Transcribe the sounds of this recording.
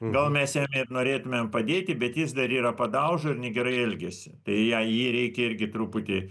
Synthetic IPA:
ɡɐlˠmʲɛsjæmʲɪrnoːɾʲeːt̪ʊmʲempɐd̪ʲeːt̪ʲɪbʲɛt̪jɪsd̪ɐɾiːɾɐpɐd̪ɐʊʒoɪɾnʲɛɡʲɛɾɐɪɛlʲɡʲɛsʲɪt̪ɐɪjɛjiːɾʲɛɪkʲɛɪrʲɡʲɪt̪ɾupʊt̪ʲɪ

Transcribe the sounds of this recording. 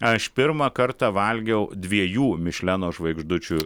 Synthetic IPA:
ɐʃpʲɪɾmɐkɐrt̪ɑʋɐlʲɡʲɛʊd̪ʲʋʲiɛjuːmʲɪʃʲlʲænoːʒʋɐɪɡʒd̪ʊt͡ʃʲʊ

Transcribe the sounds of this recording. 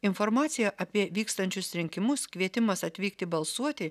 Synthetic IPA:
ɪnfoɾmɑːt̪sʲɪjɛʔɐpʲiɛʋʲiːkst̪ɐnʲt͡ʃʲʊsɾʲɪŋʲkʲɪmʊskʋʲiɛt̪ʲɪmɐsɐt̪ʲʋʲiːkt̪ʲɪbɐlˠsuɔt̪ʲɪ

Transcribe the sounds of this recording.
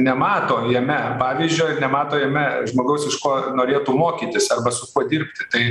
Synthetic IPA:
nʲɛmɑːt̪oːjiɛmʲɛpɑːʋʲiːzʲd͡ʒʲoɪnʲɛmɑːt̪oːjɛmʲɛʒmoːɡɐʊsɪʃkoːnoːɾʲeːt̪uːmoːkʲiːt̪ʲɪsɐrbɐsʊkuɔd̪ʲirʲpʲt̪ʲɪt̪ɐɪ

